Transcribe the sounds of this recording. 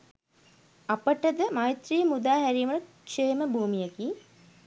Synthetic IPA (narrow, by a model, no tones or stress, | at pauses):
ɐpəʈəd̪əmajt̪rijmud̪aːɦæɾijmɐʈəkʃeːməbʱuːmijaki